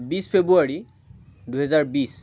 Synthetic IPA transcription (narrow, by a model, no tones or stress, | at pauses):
bispʰebuaɹi | duɦɛzaɹbis